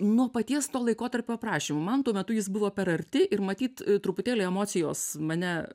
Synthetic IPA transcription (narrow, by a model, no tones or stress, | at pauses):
nuɔpɐt̪ʲiɛst̪oːlˠɐɪkoːt̪ɐɾʲpʲoːprɑːʃʲimoːmɐnt̪uɔmʲɛt̪ʊjɪs̬bʊʋoːpʲɛɾɐɾʲt̪ʲɪʔɪrmɐt̪ʲiːt̪t̪ɾʊpʊt̪ʲeːlʲɛɪɛmoːt͡s̪ʲɪjoːsmɐnʲɛ